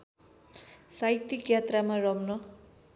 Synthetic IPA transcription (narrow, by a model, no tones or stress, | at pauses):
sajt̪ːikjat̪ramarʌmnʌ